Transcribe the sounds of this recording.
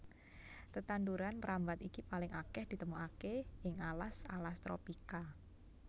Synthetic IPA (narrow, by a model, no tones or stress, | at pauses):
t̪ət̪anduɾanpəɾambat̪ikipalɪŋʔakɛhd̪̥i̤t̪əmuakeʔɪŋalasa̰last̪ɾo̰pika